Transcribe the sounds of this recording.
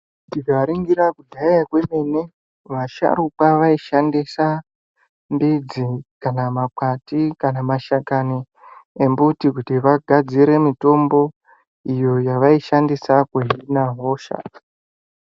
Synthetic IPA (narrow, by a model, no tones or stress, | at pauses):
tiɡʱaɾiŋɡiɾakudʱaakweme̞ne | ʋaʃa̰ɾukaʋaiʃandisa | mbid͡zikanamakatikanamaʃakani | embutikutiʋaɡʱad͡ziɾe̞mito̞mbo̞ | ijo̞jaʋaiʃandisakweɦinaɦo̞ːʃa̰